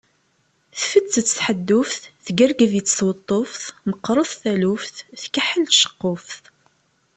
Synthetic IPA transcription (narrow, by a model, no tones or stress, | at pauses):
θfət̪t͡sːət͡sːə̥ħəd̪ːʊfθθɡərɡəðit͡sːθwət̪ˤːofθməqːɾˤoθθælufθθkəħəlt̪ʃə̥qːofθ